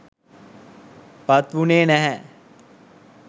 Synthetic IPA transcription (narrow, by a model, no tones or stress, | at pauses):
pɐt̪ʋuneːnɛɦɛ